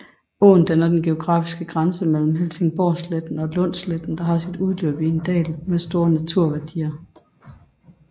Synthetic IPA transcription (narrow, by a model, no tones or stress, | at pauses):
o̰ːn̩d̥ænɐd̥enɡ̥e̝o̝ɡ̥ʁɑ̰̈ːfisɡ̥əɡ̥ʁansəmel̰m̩ɦelse̝ŋb̥ɒ̰sled̥n̩ɒ̽lɔ̽n̰sled̥n̩d̥ɑ̈ɦɑ̈sid̥uð̞ˠlø̰ːb̥iend̥ɛ̰ːlmesd̥o̝ːɐnæt͡sʰuɐ̰ʋæɐd̥ḭːɐ